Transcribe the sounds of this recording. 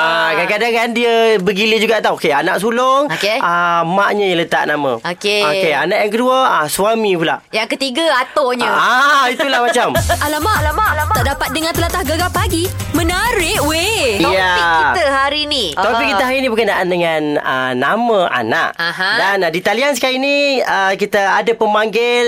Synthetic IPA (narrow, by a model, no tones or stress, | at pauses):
akakadaŋkandiəbəɡiləd͡ʒuɡaʔt̪aokeanaʔs̬uloŋokeʔamaʔɲəjalət̪a̰ʔnamə̃okeokeanaʔjaŋkəduəaswamĩpulahjaŋkət̪iɡəat̪oɲəait̪ulahmat͡ʃamalamaʔlamaʔaaʔdapat̪̚dəŋãnt̪əlat̪ahɡəɡapaɡi | mə̃naɾɪʔwejaikit̪əɦaɾinit̪opikiəɦaɾinibəkənaʔandəŋanə̰ːamə̃ʔa̰na̰ʔaɦdandit̪alians̬əkainiəkit̪əadapəmaŋɡɪl